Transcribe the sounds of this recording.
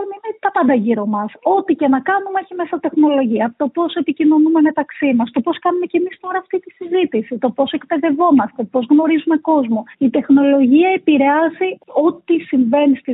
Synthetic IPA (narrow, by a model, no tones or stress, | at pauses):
minet̪ɐpɐnd̪ɐʝiɾo̞mɐso̞t̪icenɐkɐnumeçimesɐt̪e̞xno̞lo̞ʝiɐt̪o̞po̞se̞picino̞nume̞me̞t̪ɐksimɐst̪o̞po̞skɐnume̞ce̞mist̪o̞ɾɐːft̪it̪isizit̪isit̪o̞po̞se̞kpe̞ðe̞vo̞mɐst̪epo̞zɣno̞ɾizume̞ko̞zmoit̪e̞xno̞lo̞ʝiɐepiɾe̞ɐzio̞t̪isiɱve̞nist̪i